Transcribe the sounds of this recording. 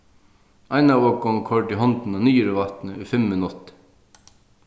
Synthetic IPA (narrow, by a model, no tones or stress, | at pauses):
ʔɑɪnɑoːɡɔŋkʰɔɖiːhɔnd̪n̩oːnyːəɾəʋɑt̪n̩əʉːfɛmmənɔt̪